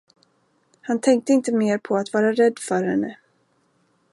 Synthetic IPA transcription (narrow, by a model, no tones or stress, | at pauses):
hant̪ʰɛŋk̚t̪əɪnt̪əmeːɾpʰɔat̪vɑːɾaɾɛd̪ːfœɾhɛnːə